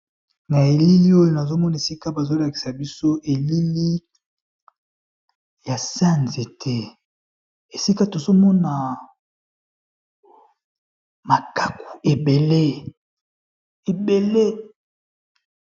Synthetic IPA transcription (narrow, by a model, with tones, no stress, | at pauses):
na˨e˨li˦li˦o˦jo˨na˨zo˦mɔ˦na˨e˨si˦ka˦ba˨zo˦la˨ki̥˨sa˨bi˦so˦ʔe˨li˦li˦ | ja˨sa˦˨nze˨tʰɛ˦ | e˨si˦ka˦to˨zo˦mɔ˦na˨ | ma˨ka˨ku̥˨e˨be˨le˦ | e˨be˨le˦